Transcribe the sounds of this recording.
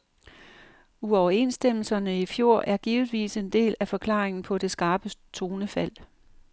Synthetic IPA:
uɒʊɐe̝nsd̥em̰l̩sɐnəifjo̝ɐ̰ʔæɐɡ̥iːʊð̩ˠʋḭːse̝nd̥e̝̰ːlæfɒ̽kʰlɑ̈ːʁeŋn̩pʰɒ̽de̝sɡ̥ɑ̈ːb̥ət͡sʰo̝ːnəfæl̰

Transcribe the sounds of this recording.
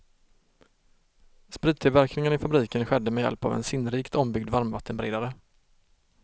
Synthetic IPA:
spɾiːd̪̚t̪ʰɪlvæɾknɪŋənɪfabɾiːkənɧɛd̪ːəmɛjɛ̰lpa̰vɛ̰nsɪnɾiːkt̪ʰɔmbʏɡd̪vaɾmvat̪ʰːənbɾeːd̪aɾə

